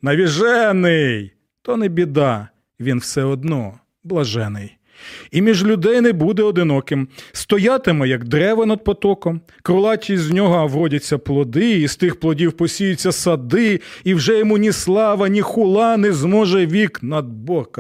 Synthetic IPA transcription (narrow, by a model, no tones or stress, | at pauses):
nɐʋʲiʒɛnɪj | t̪ɔnɛbʲid̪ɑ | ʋʲinwsɛɔd̪nɔ | blˠɐʒɛnɪj | imʲiʒlʲʊd̪ɛjnɛbud̪ɛɔd̪ɪnɔkɪmst̪ɔjɑt̪ɪmɛjɐɡd̪ɾɛʋɐnɐd̪̚pɔt̪ɔkɔm | kɾʊlˠɑtʲizʲnʲɔɦɔwɾɔdʲɐt͡sʲːɐplˠɔd̪ɪist̪ɪxplˠɔdʲiwpɔsʲijʊt͡sʲːɐsɐd̪ɪiwʒɛjɔmunʲislˠɑʋɐnʲixʊlˠɑnɛzmɔʒɛʋʲiknɐd̪̚bɔkɐ